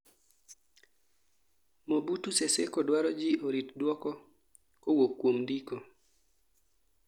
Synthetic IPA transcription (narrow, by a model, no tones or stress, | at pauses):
mobutusesḛkɔdwaɾɔd͡ʒioɾitdwɔkɔ | kowokːwomdiko